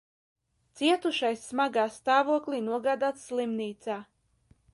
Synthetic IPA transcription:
t̪siɛt̪uʃajsːmaɡaːst̪aːvuɔklˠinuɔɡaːd̪aːt̪slˠimniːt̪saː

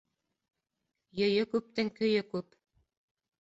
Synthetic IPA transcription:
jɵ̆jɵkʉp̚t̪ɘŋkɵ̆jɵkʉp

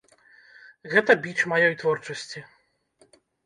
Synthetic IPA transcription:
ɣɛt̪ɐbʲit͡ʂmajɔjt̪vɔrt͡ʂɐsʲt͡sʲi

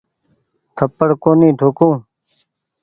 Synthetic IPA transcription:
t̪ʰəpːəɽkoːnĩːʈʰoːkũː

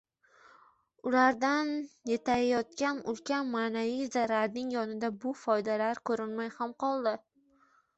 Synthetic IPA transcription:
ʊlaɾd̪anjet̪ʰajɒt̪̚kʲanʊ̰lkʲanmaːnavijzaɾaɾnɪŋjɒnɪd̪abʊfɒjd̪alaɾkʰɵɾɪnmajhamqʰɒlˠd̪ɪ

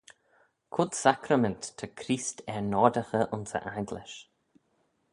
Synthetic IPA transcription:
kʰʊd̪sakɾəmɛntːʰəkʰɾiːstʰɛɹnɔːdəxəʔʊnsə̰ʔajɡlɪ̰ʃ

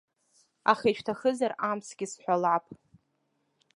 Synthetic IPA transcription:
a̰χet͡ʃʰᶣtʰaχəzaramsɡʲɪsħʷalʕapʼ

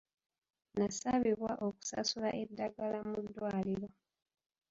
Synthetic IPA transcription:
nasaβiβwaʔo̞ku̥sa̰sulaʔe̞dːaɡalamudːwaːliɾo̞

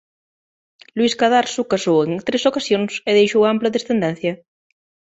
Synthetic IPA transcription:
lwiskaðaɾsukasoweŋt̪ɾesokasjoŋseðejʃowamplaðesθend̪ɛn̟θjɐ

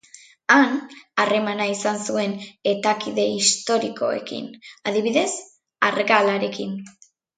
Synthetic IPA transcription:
anare̞manaisansue̞ne̞t̪akiðe̞ist̪o̞ɾiko̞̰e̞̰kḭnaðiβiðe̞s | arɣalaɾe̞kin

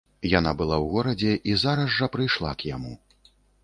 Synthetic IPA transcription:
janabɨlˠawɣɔɾɐd͡zʲɛʔizaɾɐzʐɐpɾɨjʂlˠa̰kjamu

